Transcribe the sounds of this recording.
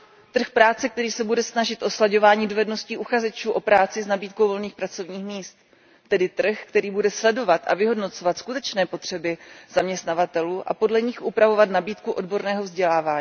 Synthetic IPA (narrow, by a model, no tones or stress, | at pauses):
t̪r̩xpɾaːt͡sɛk̚t̪ɛɾiːsɛbudɛsnaʒɪt̪ʔo̞slaɟo̞vaːɲiːdovɛdno̞sciːʔuxazɛt͡ʃuːʔo̞pɾaːt͡sɪznabiːt̪̚kowvolniːxpɾat͡so̞vɲiːxmiːst̪ː | ɛdɪt̪r̩xkt̪ɛɾiːbudɛslɛdo̞vat̪ʔa̰vɪɦo̞dno̞t͡so̞vat̪skut̪ɛt͡ʃnɛːpo̞t̪r̝̥ɛbɪz̥amɲɛst̪navat̪ɛluːʔa̰po̞dlɛɲɪxʔupɾavo̞vat̪nabiːt̪kuʔo̞dbo̞ɾnɛːɦovzɟɛlaːvaːɲiː